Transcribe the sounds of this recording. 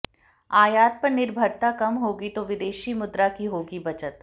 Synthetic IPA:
aːjaːt̪̚pɐɾnɪɾbʱəɾt̪akɐmɦoːɡit̪oʋɪd̪eːʃimʊd̪ɾakiɦoːɡibɐt͡ʃət̪

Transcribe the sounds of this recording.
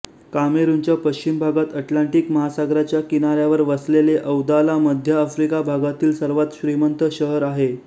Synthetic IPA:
kameɾuɲt͡ɕjapəɕt͡ɕimbʱaɡat̪əʈlaɳʈikməɦasaɡɾat͡ɕjakinaɾjaʋəɾʋəsleleʔəwd̪alaməd̪ʱjəːfɾikabʱaɡat̪iːlsəɾʋat̪ɕɾimənt̪əɕəɦəɾaɦe

